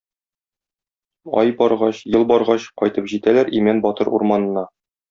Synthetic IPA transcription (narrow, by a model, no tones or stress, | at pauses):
ɒ̰jbɒɾʁɑɕjɤlˠbɒɾʁɑɕqɒjt̪ɤpʑit̪ælæɾimænbɒt̪ɤɾṵɾmɑnɤ̆nɑ